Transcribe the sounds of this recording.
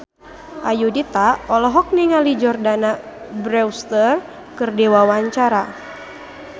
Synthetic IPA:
ʔajudit̪aɔlɔɦɔk̚niŋalid͡ʒɔrdana | bɾɛwst̪ər | kɨrdɛwawaɲt͡ʃaɾa

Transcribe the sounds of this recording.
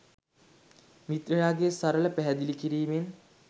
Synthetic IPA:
mit̪rɐjaːɡesaɾələpæɦɛd̪ilikiɾiːmen

